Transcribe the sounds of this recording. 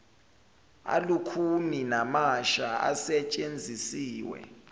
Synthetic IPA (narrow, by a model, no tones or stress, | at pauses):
a̰lukʰuninamaʃaa̰sɛt͡ʃʼend͡zʱisiːwɛ̰